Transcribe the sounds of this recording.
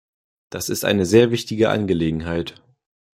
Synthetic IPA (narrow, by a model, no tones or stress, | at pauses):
d̥asɪstʔa̰ɪnəzeːɐvɪçtɪɡəʔa̰nɡəleːɡŋ̩ɦaɪt